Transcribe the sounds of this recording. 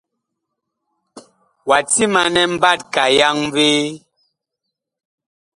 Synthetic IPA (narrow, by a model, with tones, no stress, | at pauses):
wa˨ti˦ma˨nɛ˦m̩˦ba˦˨t̚ka˨ja˦ŋ˦ve˦